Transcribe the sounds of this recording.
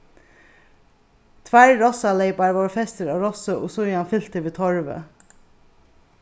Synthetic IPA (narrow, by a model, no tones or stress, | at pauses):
t̪ʰʋæɹɹɔsɑleɪpɑɹʋɑːɹfɛst̪əɾɑːʋɾɔsəʔo̰ːsʊjɑnfʏl̥t̪əʋeːt̪ʰɔɹʋə̰